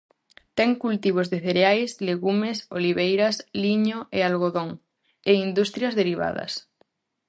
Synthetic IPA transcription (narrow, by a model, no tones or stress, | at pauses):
t̪ɛŋkult̪iβ̞ozðeθeɾeajsleɣumeso̰liβejɾɐsliɲoʔealɣoðoŋ | eind̪ust̪ɾjɐzðeɾiβa̰ð̞ɐ̰s